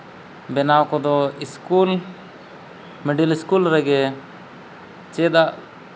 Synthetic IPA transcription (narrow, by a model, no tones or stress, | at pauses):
bɛnawkɔd̪ɔiskul | mɛɖiliskulɾɛɡɛ | t͡ʃɛd̪aʔ